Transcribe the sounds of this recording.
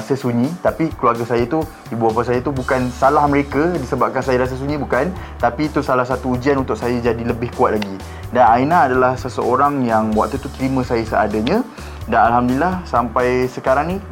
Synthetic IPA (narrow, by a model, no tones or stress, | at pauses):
asəsuɲĩt̪apikəluarɡasajat̪u | ibuapəsajat̪ubukansalahmə̃ɾekadisəbap̚kansajaɾas̬əs̬uɲĩbukan | t̪apit̪usalahsat̪uːd͡ʒianunt̪ʊʔsajad͡ʒadiləbɪhkuat̪̚laɡi | danainaːdalahsəsəoɾaŋjaŋbwa̰ʔt̪ut̪uk̪ɾimə̃sajasəa̰daɲã | danalɦamdulilahsampajsəkaɾaŋni